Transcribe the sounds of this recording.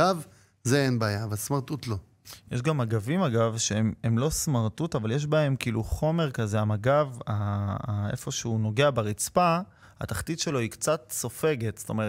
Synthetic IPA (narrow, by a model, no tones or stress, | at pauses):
av | zeenbaːjavalsmaʁt̪utlo̞ | jeʃɡamaɡavimaɡavʃeememlo̞smaʁt̪utavaljeʃ̬bae̞mkiiːluχo̞me̞ʁkaze̞amaɡava | ḛfo̞ʃeuno̞ɡe̞abeʁit͡spa | a̰t̪aχt̪id̪ʃe̞lo̞ikt͡satso̞fe̞ɡe̞t̪st̪o̞̰meʁ